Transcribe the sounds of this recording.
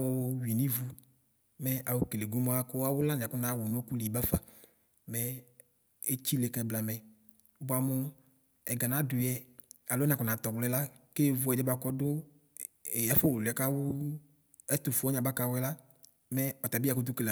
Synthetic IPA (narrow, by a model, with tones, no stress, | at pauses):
wʊ˦wi˨nĩ˦vu˦ | mɛ˦ʔa˨wo˦ke˨le˨ɡu˦mɔ̃˦a˦kʊ˦a˦wʊ˦la˦nẽ˨a˨kʊ˦nã˨˦˨wʊ˨nõ˦ku˦li˨ba˦fa˨ | mɛ˦ | e˦t͡ɕi˦le˨kɛ˨˦bla˨mɛ˨ | bʊ˨a˨mʊ˦ | ɛ˨ɡa˨nã˦dʊ˨jɛ˨ | a˨lo˦ñ˨a˨kʊ˨nã˨t̪ɔ˨ɡ͡blɛ˦la˦ke˦vʊ˨˦ɛ˨dɛ˦ba˨kɔ˦dʊ˦˨ | a˦fɔ˦wʊ˨lɛ˨˦ka˦wʊ˦ | ɛ˦t̪ʊ˨fu˨˦ɔ˦ɲã˨ba˦ka˨wʊ˦ɛ˦la˦ | mɛ˦ɔ˨t̪a˨bi˦a˨kʊ˦d̪ʊ˦ke˨le˨